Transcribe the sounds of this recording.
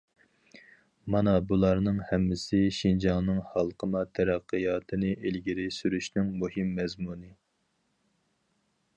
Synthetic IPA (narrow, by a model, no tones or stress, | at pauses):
mɑnɑbulˠɑɾnɨŋhɛmːɪsɪʃind͡ʒɑŋˠnɨŋhɑlˠqʰəmɑt̪ʰæɾæqːɨjɑːt̪ʰɨnɨʔelɡʲiɾɪsyɾyʃnɪŋmuhɪmːɛzmunɨ